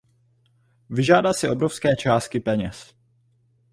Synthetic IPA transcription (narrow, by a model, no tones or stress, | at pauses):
vɪʒaːdalsɪʔo̞bɾofskɛːt͡ʃaːst̪̚kɪpɛɲɛs